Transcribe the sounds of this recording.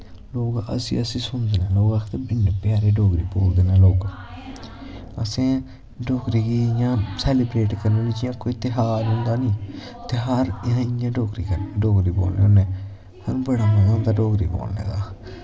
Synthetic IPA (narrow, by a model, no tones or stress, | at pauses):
loːɡə̰sḭːəsĩːsʊnd̪eːnaːloːɡaːkʰt̪eːbɪnːepjaːɾeːɖoːɡɾiːpoːld̪eːnãːloːɡ | əsẽː | ɖoːkɾiːɡiːɪjãːsɛːlɪbɾeːʈkəɾneːʋɪt͡ʃɪjãːkoːit̪ɪɦaːlɦʊ̃nd̪aːnĩː | t̪eːɦəɾɪãːɪjãːɖoːkɾḭːkəɖoːɡɾiːbo̰ːlneoneː | hənũːbəɽaːməɡãːt̪aːɖoːkɾḭːbo̰ːlnḛːd̪aː